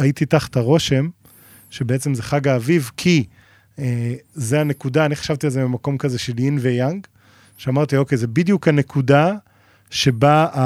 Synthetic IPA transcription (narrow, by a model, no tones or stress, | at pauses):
ait̪it̪aχḁt̪aʁo̞ʃe̞m | ʃe̞beet͡semzeχaɡaːvivkʰi | ezeane̞kudaːniχḁʃavt̪ielzemimako̞mkazeʃe̞linvejaŋɡ | ʃeamaʁt̪io̞kejzebid̪jukhane̞kʰuda | ʃe̞baa